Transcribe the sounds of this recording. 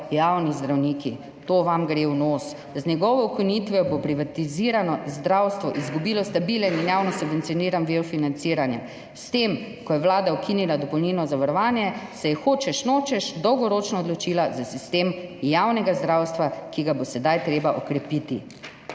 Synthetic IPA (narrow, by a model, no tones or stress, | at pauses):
jawnizd̪ɾawniːki | t̪oːʋamɡɾewnoːs | znʲɛɡɔʋɔukinit̪ʋɛɔbopɾiʋat̪iziːɾanɔzd̪ɾawst̪ʋɔʔizɡubiːlɔst̪abilɛninjaːwnɔsubʋɛnt̪sijɔniɾanʋifinant̪siːɾanjɛ | st̪em | kɔjɛʋlaːd̪aukʰinilad̪ɔpɔwniːnɔzaʋaɾɔʋaːnjɛsɛjɛxoːt͡ʃɛʃnoːt͡ʃɛʃd̪ɔwɡɔɾoːt͡ʃnaɔd̪lɔt͡ʃilazasist̪emjawnɛɡazd̪ɾawst̪ʋakiɡabosɛd̪ajt̪ɾeːbaʔɔkɾɛpiːt̪ḭ